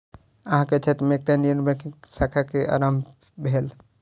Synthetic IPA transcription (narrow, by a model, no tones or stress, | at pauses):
əɦãket͡ʃʰet̪ɾmek̚t̪eniənbə̃kiksakʰakeʔa̰ɾam | bʱel